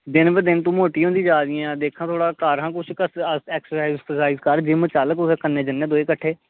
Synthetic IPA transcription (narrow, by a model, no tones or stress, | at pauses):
d̪ɪnbəd̪ɪnt̪ũːmoːʈiːõːnd̪ĩːd͡ʒaːɾɪjãːd̪eːkʰãːt̪ʰoːɽaːkaːɾɦãːkʊt͡ʃʰkəəɛːksəɾsaːizɛsəsaːɪzkəɾd͡ʒɪmə̃t͡ʃaːləkʊseːkənːẽːd͡ʒənːeːd̪oːeːkəʈʰːeː